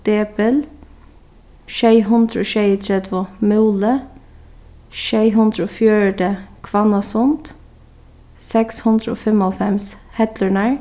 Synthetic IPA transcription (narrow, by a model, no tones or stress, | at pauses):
d̪eːbəl | ʃeɪɦʉnd̪ɾoːʃeɪət̪ʰɾɛd̪ʰʋomʉːlə | ʃeɪɦʉnd̪ɾoːfjøːɹɖəkʰʋɑnɑsʊnt̪ | sɛkshʉnd̪ɾəo̰ːfɛmɔlfɛmshɛt̪ləɳəɹ